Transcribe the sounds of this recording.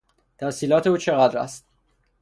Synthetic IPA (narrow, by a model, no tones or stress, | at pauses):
t̪ʰæsiːlɒːt̪ʰe̞uːt͡ʃʰeɣæd̪ɾæ̰st̪